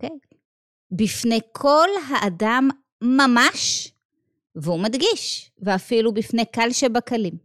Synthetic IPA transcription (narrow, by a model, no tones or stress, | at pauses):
kej | bifne̞jkʰo̞lɦaʔadamː | amaʃ | veumadɡiʃveafilubifne̞jkalʃebakalim